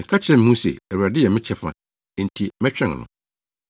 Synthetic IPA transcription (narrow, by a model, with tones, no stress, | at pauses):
mɪ̃˨kʰa˦t͡ɕʰɛ̃˦m˦mũ˦sḛ˨æ˨wu˨ɾa˨dɪ˦jɛ˨mɪ̃˦t͡ɕʰɛ˦fã̰˨ | n̩˨tʰi˨mɛ̃˦t͡ɕᶣɛ̃˦˨ŋ˨nʊ̰̃˨